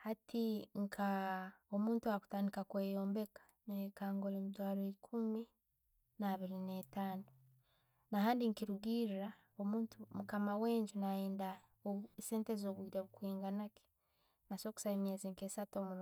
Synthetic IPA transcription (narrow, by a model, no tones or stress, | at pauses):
hatʰiŋkʰaomuːntuaku̥taːndikakwe̞ːjoːmbe̞kḁnekaːŋɡolemutwaːɾoikʰumi | naːβiɾinetaːno | naɦaːndiŋkiɾuɡiɾiɾa | omuːntumukamaweːɲɟunaeːnda | ose̞ːntezoβwiːɾeβukwiːŋɡanaki̥ | nasoku̥saemjeːzeŋkesatomuɾ